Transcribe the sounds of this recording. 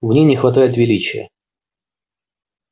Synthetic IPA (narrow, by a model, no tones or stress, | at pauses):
vnʲijnʲɪxvɐt̪ajɪt̪vʲɪlʲit͡ɕɪjə̰